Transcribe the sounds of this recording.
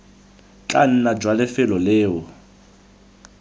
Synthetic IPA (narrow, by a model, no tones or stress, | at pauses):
t͡ɬʼan̩nad͡ʒwalɪfɪlɔleːɔ